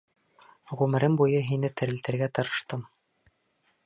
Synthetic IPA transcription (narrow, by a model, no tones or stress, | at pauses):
ʁʉmɘ̆ɾɘmbujɤɦinɘt̪ɘ̆ɾɘ̆lt̪ɘ̆ɾɡæt̪ɤ̆ɾɤ̆ʃt̪ɤm